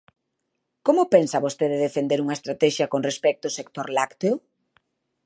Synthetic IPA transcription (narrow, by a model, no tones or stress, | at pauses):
komʊpensɐβost̪eðeðefend̪eɾuŋɐest̪ɾat̪ɛʃjɐkonrespɛk̚t̪oosekt̪oɾlakt̪eo